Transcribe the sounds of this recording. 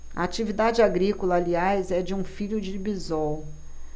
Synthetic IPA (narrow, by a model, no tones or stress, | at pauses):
ɐ̰at͡ʃivid̪ad͡ʒɪaɡɾikolɐːliajzɛd͡ʒɪũfiʎʊd͡ʒɪbizɔw